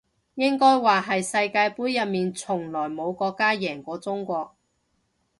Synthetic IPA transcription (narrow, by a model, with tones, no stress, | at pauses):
jɪ˥ŋkɔː˥jwaː˨ɦɐ˨jsɐ˧jkaː˧jpuː˨˥jːɐ˨t̚miː˨nt͡sʰʊ˨˩ŋlɔː˨˩jmo˨˧wkɔː˧kːaː˥jɛː˨˩ŋkʷɔː˧t͡sʊ˥ŋkʷɔː˧k̚